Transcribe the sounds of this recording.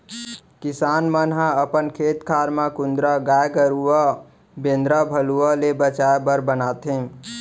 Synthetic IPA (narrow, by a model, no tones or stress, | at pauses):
kɪsaːnmənɦãəpənkʰeːt̪kʰaːɾmãkund̪ɾəɡajkəɾuə | bẽnd̪ɾəbʱəluəlebət͡ʃaebəɾbənaːt̪ɦẽ